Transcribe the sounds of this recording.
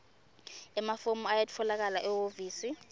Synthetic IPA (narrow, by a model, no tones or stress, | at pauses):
ɛmafomuajatʰɔlak̬alaʔɛwoviːsi